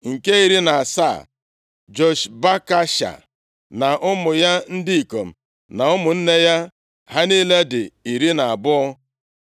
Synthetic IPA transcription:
ŋ̩˨ke˦i˨ɾi˦na˨a˨sa̰˦˨ | d͡ʒo˦ʃba˦ka˦ʃa̰˨ | na˨ʔʊ˦mʊ˨ja˦n̩˦dɪ˦i˨ko˨m̩˨ | na˨ʊ˦mʊ˨n̩˦ne˦ja˦ | ɦa˦ni˦le˦dɪ˨i˨ɾi˦na˨a˨bʊ˦ɔ˦

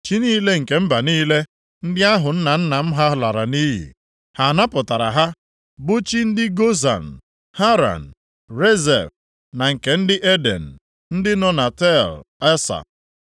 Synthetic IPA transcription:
t͡ʃi˦niː˦le˦ŋ̩˨ke˨m̩˦ba˨niː˦le˦ | n̩˦dɪ˦a˦ɦʊ˨n̩˦na˨n̩˦na˨m̩˦ɦa˦ɦla˨ɾa˨niː˦ɦḭ˨ | ha˨na˦pʊ˨ta˨ɾa˨ɦa˦ | bʊ˦t͡ʃi˦n̩˦dɪ˦ɡo˦za̰˨n̩˨ | ha˦ɾa̰˨n̩˨ | ɾe˦zɛ̰˨f | na˨ŋ̩˨ke˨n̩˦dɪ˦ʔe˦dḛ˨n̩˨ | n̩˦dɪ˦nɔ˦na˨tɛ˦˨le˦sa̰˨

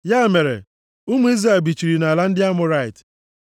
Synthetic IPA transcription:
ja˦˨me˨ɾḛ˨ | u˦mu˦i˦zɾa˨bi˨t͡ʃi˨ɾi˨na˨la˦n̩˦dɪ˦a˦mʊ˨ɾa˦ɪ˨t

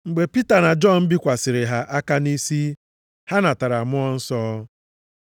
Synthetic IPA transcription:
ŋ͡m̩˨ɡ͡be˨pi˦ta˨na˨d͡ʒɔ˦˨m̩˦bi˦kʷa˨sɪ˨ɾɪ˨ɦa˨ʔa˦ka˦ni˦si˦ | ha˦na˨ta˨ɾa˨mʊ˦ɔ˦n̩˦sɔ˦

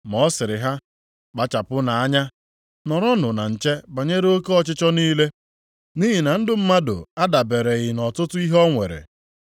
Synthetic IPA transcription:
mɔ˨˦sɪ˨ɾɪ˨ɦa˦ | k͡pa˨t͡ʃa˨pʊ˦na˨a˦ɲa˦ | nɔ˨ɾɔ˦nʊ˨na˨n̩˨t͡ʃe˦ba˨ɲe˦ɾe˦o˦ke˦ɔ˦t͡ʃɪ˦t͡ʃɔ˦niː˦le˦ | ni˦ɦi˨na˨n̩˦dʊ˦m̩˦ma˦dʊ̰˨a˦da˨be˨ɾe˨ɣɪ˨nɔ˨tʊ˦tʊ˦i˦ɦɔ˦ŋʷe˨ɾḛ˨

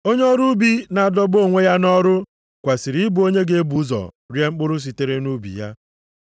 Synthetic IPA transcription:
o˦ɲe˦ɔ˦ɾu˦bi˦na˨dɔ˦bo˦˨ŋʷe˦ja˦nɔ˦ɾʊ˦ | kʷa˨si˨ɾi˨˦ɪ˦bu˨o˦ɲe˦ɡe˨e˦bu˨˦zɔ̰˨ | ɾje˦ŋ͡m̩˦k͡pʊ˦ɾʊ˦s̬i˨te˦ɾe˦nu˦bḭ˨ja̰˦

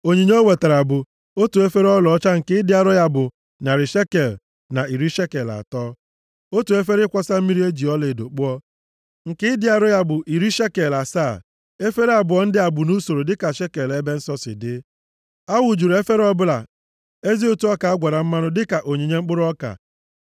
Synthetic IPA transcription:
o˨ɲi˨ɲe˦o˦we˨ta˨ɾa˨bʊ˨ | o˦tu˨e˦fe˦ɾɔ˦lɔ˨˦t͡ʃa˦ŋ̩˨kɪ˦dɪ˦a˦ɾɔ˦ja˦bʊ˨ | na˨ɾɪ˨ʃe˦ke˨l | na˨i˨ɾi˦ʃe˦ke˨la̰˨tɔː˦ | o˦tu˨e˦fe˦ɾɪ˦kʷa˦sa˦m̩˦mi˦ɾi˦e˦d͡ʒi˨ɔ˦le˨do˨k͡pu˦ɔ˦ | ŋ̩˨kɪ˦dɪ˦a˨ɾɔ˦ja˦bʊ˨ʔi˨ɾi˦ʃe˦ke˨la˨saː˦˨ | e˦fe˦ɾe˦a˨bʊ˨ɔ˦n̩˦dɪ˦a˨bʊ˨nu˦so˨ɾo˨dɪ˦ka˨ʃe˦ke˨le˦be˦n̩˦sɔ˦sɪ̰˨dɪ˦ | a˦wu˨d͡ʒu˨ɾe˦fe˦ɾɔ˦bʊ˦la˨ | e˦zi˦o˦tu˦ɔ˦ka˨a˦ɡʷa˨ɾa˨m̩˦ma˦nʊ˦dɪ˦ka˨ʔo˨ɲe˨ɲe˦ŋ͡m̩˦k͡pʊ˦ɾʊ˦ɔ˦ka̰˨

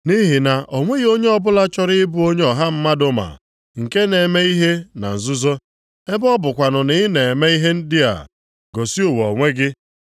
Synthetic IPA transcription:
ni˦ɦi˨na˨ʔɔ˨ŋʷe˦ɣo˦ɲe˦ɔ˦bʊ˦la˦t͡ʃɔ˦ɾɪ˦ɪ˦bu˦o˦ɲe˦ɔ˨ɦa˦m̩˦ma˦dʊ˦ma̰˨ | ŋ̩˨ke˦ne˨me˦i˦ɦe˦na̰˨n̩˨zʊ˦zo˦ | e˦bɔ˦bʊ˨kʷa˨nʊ˨nɪ˦ne˨me˦i˦ɦe˦n̩˦dɪ˦a̰˨ | ɡo˨si˦u˨wɔ˨ŋʷe˦ɡɪ˦

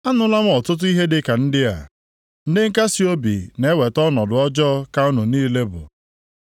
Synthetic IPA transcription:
a˦nʊ˦la˦m˦ɔ˨tʊ˦t̬ʊ˦i˦ɦe˦dɪ˦ka˨n̩˦dɪ˦a̰˨ | n̩˦dɪ˦ŋ̩˦ka˦si˦o˦bḭ˨ne˦we˨tɔ˦nɔ˨dʊ˨ɔ˦d͡ʒɔ˦ka˦ʊ˦nʊ˨niː˦le˦bʊ̰˨

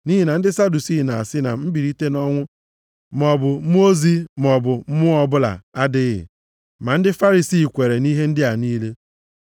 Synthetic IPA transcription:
ni˦ɦi˨na˨n̩˦dɪ˦sa˦du˨si˦˨na˨a˨sɪ˦na̰˨m̩˦bi˨ɾi˦te˦nɔ˦ŋʷʊ˦ | m˨ɔ˨bʊ˨˦m˦o˦zi˦m˨ɔ˨bʊ˨m̩˦mʊ˦ɔ˨bʊ˦la̰˨a˦dɪ˦ɣɪ̰˨ | ma˨n̩˦dɪ˦fa˦ɾi˨si˦˨kʷe˨ɾe˨ni˦ɦe˦n̩˦dɪ˦a˨niː˦le˦

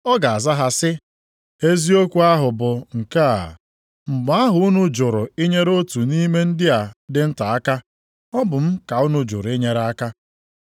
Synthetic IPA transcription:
ɔ˦ɡa˨a˨za˦ɦa˦sɪ˦ | e˦zi˦o˦kʷu˨˦a˦ɦʊ˨bʊ˨ŋ̩˨ka˦a̰˨ | m̩˨ɡ͡ba˦ɦʊ˨˦ʊ˦nʊ˦d͡ʒʊ˨ɾʊ˨ɪ˦ɲe˦ɾo˦tu˨ni˦me˦n̩˦dɪ˦a˨dɪ˦n̩˦ta˨a˦ka˦ | ɔ˦bʊ˨m̩˦ka˨ʊ˦nʊ˦d͡ʒʊ̰˨ɾʊ˨ɪ˦ɲe˦ɾa˦ka˦

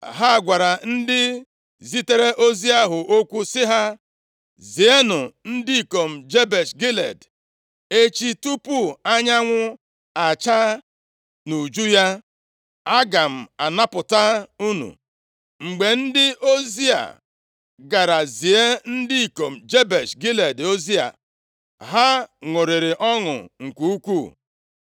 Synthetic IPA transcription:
ɦa˦˨ɡʷa˨ɾa˨n̩˦dɪ˦ | zi˦te˦ɾe˦ʔo˦zi˦a˦ɦʊ˨ʔo˦kʷu˦sɪ˦ɦa˦ | zi˨e˦nʊ˨n̩˦di˦i˨ko˨m̩˨d͡ʒe˦be˨sɡi˦lḛ˨d | e˦t͡ʃi˦tu˦pu˦a˦ɲa˦ŋʷʊ˦ | a˨t͡ʃa˦ | nu˨d͡ʒu˦ja˦ | a˦ɡa˨m̩˨a˨na˦pʊ˨ta˦u˦nṵ˨ | ŋ͡m̩˨ɡ͡be˨n̩˦dɪ˦ʔo˦zi˦a̰˨ | ɡa˨ɾa˨zi˨e˦n̩˦di˦i˨ko˨m̩˨d͡ʒe˦be˨ʃɡi˦le˨do˦zi˦a̰˨ | ɦa˦ŋʊ˨ɾɪ˨ɾɪ˨ʔɔ˦ŋʊ̰˨ŋ̩˨kʷu˨˦u˦kʷu˦˨

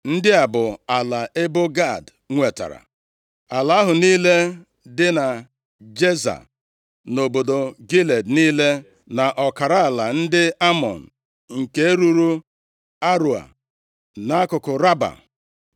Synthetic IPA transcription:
n̩˦dɪ˦a˨bʊ˨a˨la˨ʔe˦bʊ˦ɡa˦˨d | ŋʷe˨ta̰˨ɾa̰˨ | a˨la˨˦ɦʊ˨niː˦le˦ | dɪ˦na˨ | d͡ʒe˦za̰˨ | no˨bo˨do˨ɡi˦le˨dniː˦le˦ | na˨ʔɔ˨ka˨ɾa˦a˨la˨n̩˦dɪ˦a˦mɔ̰˨n̩˨ | ŋ̩˨ke˦e˦ɾu˦ɾu˦ | a˦ɾu˨a̰˨ | na˨˦a˦kʊ˨kʊ˨ɾa˦ba̰˨

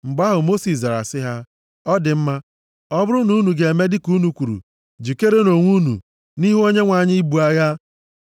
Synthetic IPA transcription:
m̩˨ɡ͡ba˦ɦʊ˨mo˦si˨sza˨ɾa̰˨sɪ˦ɦa˦ | ɔ˦dɪ˨m̩˦ma˦ | ɔ˦bʊ˦ɾʊ˦nu˦nu˨ɡe˨e˨me˦dɪ˦ku˦nu˨kʷu˨ɾṵ˨ | d͡ʒi˨ke˦ɾe˦no˨ŋʷu˦nṵ˨ | ni˦ɦo˦ɲe˦ŋʷa˨ɲɪ˦bu˨a˦ɣa˦

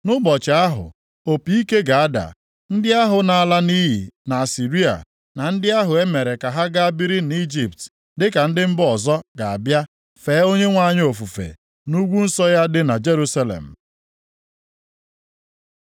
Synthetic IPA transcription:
nʊ˦bɔ˨t͡ʃa˨a˦ɦʊ̰˨ | o˨pi˨i˦ke˦ɡa˨a˦da̰˨ | n̩˦dɪ˦a˦ɦʊ˨na˨a˨la˦ni˦ɦḭ˨na˨a˨si˨ɾi˦a̰˨ | na˨n̩˦dɪ˦a˦ɦʊ˨e˦me˨ɾe˨ka˨ɦa˦ɡa˦a˦bi˦ɾi˦n˨˦i˦d͡ʒi˨p̚t | dɪ˦ka˨n̩˦dɪ˦m̩˦bɔ˨zɔ˦ɡa˨a˨bja˦ | feː˨˦o˦ɲe˦ŋʷa˦˨ɲ˦o˨fu˨fḛ˨ | nu˦ɡʷu˦n̩˦sɔ˦ja˦dɪ˦na˨d͡ʒe˦ɾu˦sa˦lḛ˨m̩˨

